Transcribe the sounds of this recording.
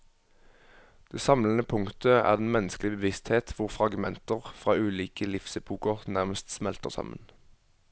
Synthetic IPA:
d̪̥eːsɑmlən̩əpʰʊŋt̪əæ̰ːʁd̪ɛnmɛnəsklɪbəʋɪst̪heːt̪ʰʋʊʁfʁɑɡmɛnt̪əʁfʁɑːʉːliːkəlɪfsəpʰuːkɔʁt̪næʁməst̪smɛlt̪əʁsɑ̰mə̰n

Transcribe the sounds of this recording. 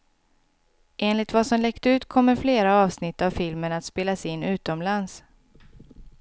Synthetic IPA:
ʔeːnlɪt̪vasɔmlɛkt̪əʉ̟ːt̪kʰɔmːəɾfleːɾaɑːvsnɪt̪ːavfɪlmənat̪speːlasɪnːʉ̟ːt̪ɔmlans

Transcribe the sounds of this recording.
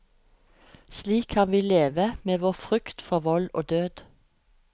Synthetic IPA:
sliːkʰɑnʋiːleːʋəmeːʋoːfʁʏkt̪fɔʋɔloːd̪øːd̪̥

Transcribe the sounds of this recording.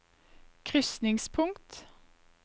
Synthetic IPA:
kʰʁʏsnɪŋspʰʊŋt̪

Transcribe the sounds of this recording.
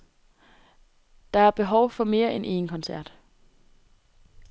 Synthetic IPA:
d̥ɑ̈æɐb̥e̝ɦɒʊfɒ̽me̝ːɐʔenʔe̝̰ːnkʰɒ̽nsæɐ̰d̥

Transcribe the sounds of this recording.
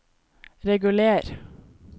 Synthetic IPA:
ɾɛɡʉleːɾ

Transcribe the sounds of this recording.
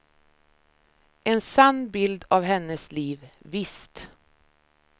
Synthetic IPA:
ʔɛnsanːbɪld̪avɦɛnːəsliːvvɪst̪

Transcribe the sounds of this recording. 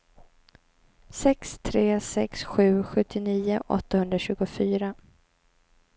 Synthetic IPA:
sɛkst̪ʰɾeːsɛksɧʉ̟ːɧɵt̪ʰːɪniːʊʔɔ̰t̪ːahɵnd̪ɾaɕʉ̟ːɡʊfyːɾa

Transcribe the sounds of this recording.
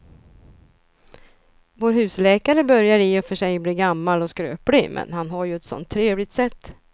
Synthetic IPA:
voːɾhʉ̟ːslɛːkaɾəbœɾjaɾɪɔfœʂɛjbliːɾɡamːalɔskɾø̰ːpɽɪmʔɛ̰nhanɦaɾjɵɛt̪sɔ̰nt̪ʰːɾeːvlɪɡ̚t̪sɛt̪ː

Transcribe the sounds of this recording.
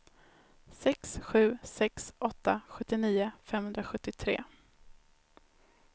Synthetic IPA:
sɛksɧʉ̟ːsɛksʔɔt̪ːaɧɵt̪ːɪniːʊfɛmːhɵnd̪ɾaɧɵt̪ːɪt̪ʰɾḛː

